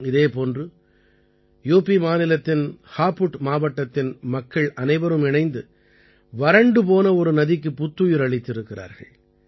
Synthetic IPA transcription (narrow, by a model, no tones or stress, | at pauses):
ɪðeːpoːndrɯ | juːpːimaːnɪlɐt̪ːɪnhaːpːʊʈmaːʋɐʈːɐt̪ːɪnmɐkːɐɭʔɐnɐɪʋɐɾɯmɪɳɐɪnd̪ɯ | ʋɐɾɐɳɖɯpoːnɐɔɾɯnɐðɪk̬ːɯpːʊt̪ːujɪɾɐɭɪt̪ːɪɾɯkːɪɾa̰ːɾɣɐ̰ɭ